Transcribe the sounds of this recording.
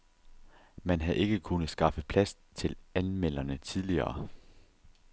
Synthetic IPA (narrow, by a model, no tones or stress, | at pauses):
mænɦæðˠʔe̝ɡ̥əkʰunð̩ˠsɡ̥ɑ̈fəð̩ˠpʰlæst͡sʰe̝lænmel̰ɐnət͡sʰiðˠliɐ̰ː